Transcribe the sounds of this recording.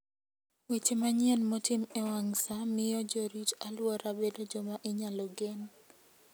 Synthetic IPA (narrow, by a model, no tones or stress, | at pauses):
wet͡ʃemaɲjɛnmotimewaŋsamɪjɔd͡ʒoɾit͡ʃalwɔɾabedod͡ʒɔmaʔɪɲalɔɡen